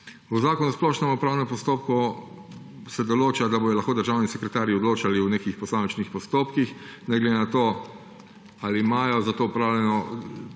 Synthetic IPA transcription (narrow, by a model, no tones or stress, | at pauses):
uzaːkɔnusplɔʃnɛmɔpɾaːwnɛmpɔst̪oːp̚ku | sɛd̪ɔloːt͡ʃad̪aboj̪ɔlaxkoːd̪əɾʒaːwnisɛkɾɛt̪aːɾjiɔd̪loːt͡ʃaliwnekixpɔsaːmt͡ʃnixpɔst̪oːpkixnɛɡlɛd̪enat̪oː | alimaːjɔzat̪oːɔpɾaːwlʲjɛnɔ